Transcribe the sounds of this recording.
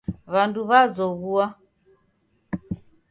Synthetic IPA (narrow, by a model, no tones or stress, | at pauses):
βanduβazɔβua